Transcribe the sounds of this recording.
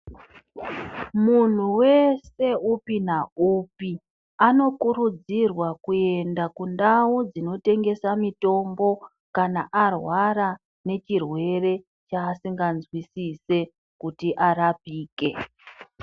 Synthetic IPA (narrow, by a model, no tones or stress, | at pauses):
mun̤uwe̞se̞upinaupi | ano̞kuɾud͡zirwakue̞ndakundaud͡zino̞te̞ŋɡe̞samito̞mbo̞ | kanaʔarwaɾa | ne̞t͡ʃirwe̞re̞ | t͡ʃaːsiŋɡanzwisise̞ | kutiʔaɾapiːke̞